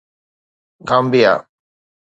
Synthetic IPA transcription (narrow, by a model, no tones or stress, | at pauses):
ɡambija̰